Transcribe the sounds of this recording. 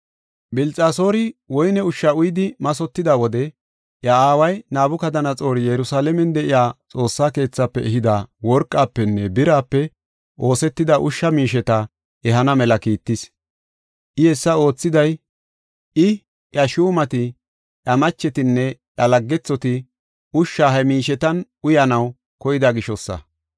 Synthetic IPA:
bɪlt͡sʼaːso̞ːɾɪwɔjnɛʊʃːɐʊjɪd̪ɪmɐsɔt̪ːɪd̪awɔd̪ɛ | ʔjɐaːwɐjnaːbʊkɐd̪ɐnɐt͡sʼo̞ːɾɪjɛɾʊsaːlɛmɛnd̪ɛʔɪjaːt͡sʼo̞ːsːaːke̞ːt͡sːapːɛɛɦɪd̪aːwɔɾkʼːaːpːɛnːɛbɪɾaːpːɛ | ʔo̞ːsɛt̪ːɪd̪ɐʔʊʃːɐmiːʃɛt̪ɐ | ɛɦɐnɐmɛlɐkiːt̪ːɪs | ʔɪhɛsːɐo̞ːt͡sːɪd̪ɐj | ɪ | ʔɐʃuːmɐt̪ɪ | ʔɐmɐt͡ʃːɛt̪ɪnːɛʔɐlɐɡːɛt͡sːɔt̪ɪ | ʊʃːaɦɛmiːʃɛt̪ɐnʔʊjɐnɐw | kɔjɪd̪aɡɪʃɔsːɐ̰

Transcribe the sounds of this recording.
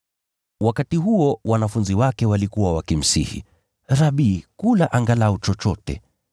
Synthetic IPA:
wakatiɦuɔwanafunziwakɛwalikuwawakim̩sḭhḭ | ɾaɓiːkulaʔaŋɡalaɔt͡ʃɔt͡ʃɔtɛ̰

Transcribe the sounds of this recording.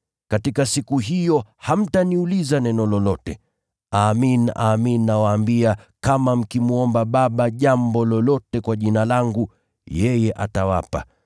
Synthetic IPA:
katikasikuɦijɔham̩taniulizanɛnɔlɔlɔtɛ̰ | aːmina̰ːminːawaːmbiakamam̩kimuɔmbaɓaɓaʄambɔlɔlɔtɛkwaʄinalaŋɡu | jɛjɛʔatawa̰pa

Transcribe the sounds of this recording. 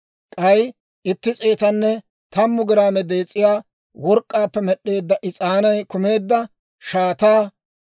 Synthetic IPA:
kʼɐj | ɪt̪ːɪt͡sʼeːt̪ɐnːɛ | t̪ɐmːʊɡɪɾaːmɛd̪e̞ːt͡sʼːɪjaː | wɔɾkʼːaːpːɛmɛɗːe̞ːd̪ːɐʔɪt͡sʼaːnɐjkʊme̞ːd̪ːɐ | ʃaːt̪aː

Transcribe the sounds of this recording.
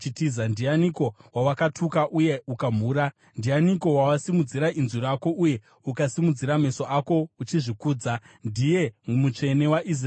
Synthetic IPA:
t͡ʃitizandianiko̞wawakatʰukaʔuje̞ukamuːɾa | ndianiko̞wawasimud͡ziɾainziɾako̞ʔuje̞ | ukasimud͡ziɾame̞so̞ʔako̞ut͡ʃiʐikuːd͡za | ndije̞mut͡ʂe̞ne̞waʔis̬r

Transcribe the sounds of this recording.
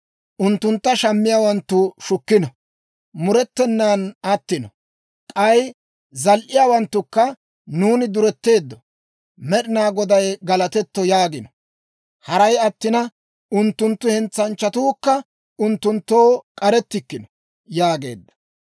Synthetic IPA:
ʔʊnt̪ːʊnt̪ːɐʃɐmːɪjaːwɐnt̪ːʊʃʊkːɪnɔ | mʊɾɛt̪ːɛnːaːnɐt̪ːɪnɔ | kʼɐj | zɐlʔɪjaːwɐnt̪ːʊkːɐ | nuːnɪd̪ʊɾɛt̪ːe̞ːd̪ːɔ | mɛɗɪnaːɡɔd̪ɐjɡɐlɐt̪ɛt̪ːɔjaːɡɪnɔ | hɐɾɐjɐt̪ːɪnɐ | ʊnt̪ːʊnt̪ːʊhɛnt͡sːɐnt͡ʃːɐt̪uːkːɐ | ʊnt̪ːʊnt̪ːoːkʼɐɾɛt̪ːɪkːɪnɔ̥ | jaːɡe̞̰ːd̪ːɐ̥

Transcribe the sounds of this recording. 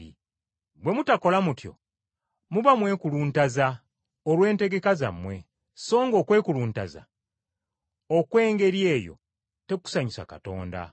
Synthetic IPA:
ḭ | bwe̞mutako̞lamutjo̞̰ | muβamwe̞ːkuluːntaza | olwe̞ːnte̞ɡe̞kaza̰mːwe̞ | so̞ːŋɡo̞ːkwe̞ːkuluːntaza̰ | okwe̞ːŋɡe̞ɾje̞ːjo̞̰ | te̞ku̥saɲisa̰kato̞ːnda̰

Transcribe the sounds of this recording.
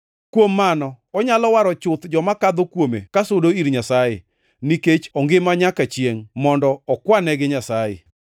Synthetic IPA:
kwomːanɔ | ɔɲalɔwaɾɔt͡ʃʊt̪d͡ʒɔmakad̪okwomḛkasodoiɾɲasajḛ | niket͡ʃɔŋɡɪmaɲakat͡ʃjeŋmɔndɔɔkwanɛɡɪɲasajɪ̰

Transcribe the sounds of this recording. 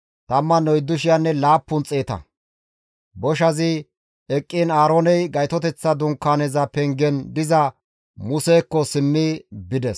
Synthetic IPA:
t̪ɐmːɐnɔjd̪ːʊʃɪjanːɛlaːpːʊnt͡sʼeːt̪ɐ̰ | bɔʃ̬ɐzɪ | ɛkʼːinaːɾoːnɛjɡɐjt̪ɔt̪ɛt͡sːɐd̪ʊŋkːaːnɛzɐpɛŋɡɛnd̪ɪzɐ | mʊseːkːɔsɪmːɪbɪd̪ɛs

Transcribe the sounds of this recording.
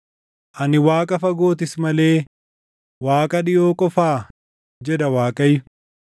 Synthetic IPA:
ʔɐnɪwaːkʼɐfɐɡo̞ːt̪̬ɪsmɐle̞ː | waːkʼɐᶑɪjo̞ːkʼɔfaː | d͡ʒɛd̪ɐwaːkʼɐjʊ

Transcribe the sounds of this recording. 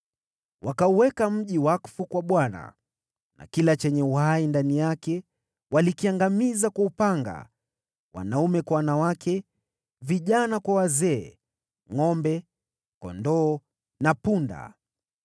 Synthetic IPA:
wʔakauwɛkam̩ʄiwaku̥fukwaɓwana̰ | na̰kilat͡ʃɛɲɛuhaindanijakɛ | walikiaŋɡamizakaupaŋɡa̰ | wa̰naumɛkwawanawakɛ | viʄanakwawazɛː | ŋɔmbɛ | kɔ̰ndɔː | napunda̰

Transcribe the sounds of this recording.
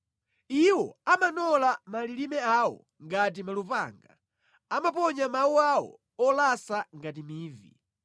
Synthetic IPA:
iwɔ̰amanɔlamalilimɛawɔ̰ | ŋɡat̬imalupa̰ŋɡa | amapɔɲamawuawɔ̰ | ɔlasaŋɡatimiːvḭ

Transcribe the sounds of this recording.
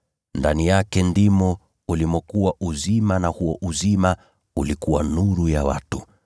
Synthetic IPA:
ndanijakɛndimɔ | ulimɔkuwaʔuzimanahuɔʔuzima | ulikuwanuɾujawa̰tu

